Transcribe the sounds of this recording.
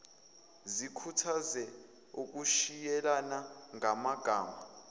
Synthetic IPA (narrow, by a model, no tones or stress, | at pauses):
zikʰutʰazɛ | uk̬ʼuʃijɛlanaŋamaɡ̥ʱaːma